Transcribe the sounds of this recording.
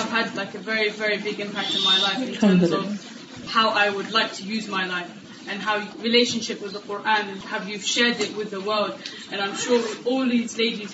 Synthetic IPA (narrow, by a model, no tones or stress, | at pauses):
v̥ədlaɪkɨvɛɹivɛɹibɪɡɪ̃mpʰæk̚tɨ̃nmaɪlaɪfɨ̃ntʰɜ̃˞mzʌv̥ | haʊʔaɪwədˡlaɪk̚tʰɨjʉzmaɪlaɪf | ɨ̃nɦaʊɹɨleɪʃɨ̃nʃɪp̚wɨðəqʊɹʔæ̃nɨ̃nhəvjʉv̥ʃɛɹdɪʔwɪðəwɜ˞lˠd | ʔɨ̃ñãɪ̃mʃɔɹwɔlˠðizleɪdiz̥